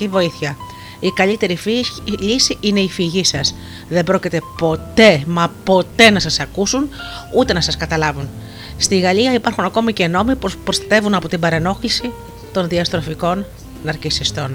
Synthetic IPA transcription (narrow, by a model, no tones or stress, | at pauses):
ivo̞iθçɐ | ikɐʎit̪e̞ɾiʎisiine̞ifiʝisɐs | ðe̞bɾo̞cit̪e̞po̞t̪e̞mɐpo̞t̪e̞nɐsɐsɐkusun | ut̪e̞nɐsɐskɐt̪ɐlɐvun | st̪iɣɐliɐipɐɾxunɐko̞mice̞no̞mipopɾo̞st̪ɐt̪e̞vunɐpo̞t̪ibɐɾeno̞xlisi | t̪o̞nðiɐst̪ɾo̞fiko̞n | nɐɾcisist̪o̞n